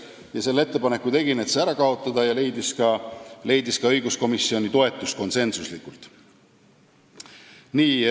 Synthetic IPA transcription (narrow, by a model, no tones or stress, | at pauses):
jɑse̞lːe̞t̪ːe̞pɑne̞kːut̪e̞ɡinet̪seæɾɑkɑo̞t̪ːˑɑd̪ɑjɑle̞jd̪iskɑle̞jd̪iskɑɤjɡusko̞misːio̞nʲit̪o̞e̞t̪ːˑust̪ko̞nse̞nsuslikːˑult̪ | niː